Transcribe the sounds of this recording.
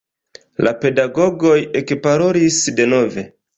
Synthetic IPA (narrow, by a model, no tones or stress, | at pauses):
lape̞daɡo̞ɡo̞je̞kpaɾo̞ɾisde̞no̞ve̞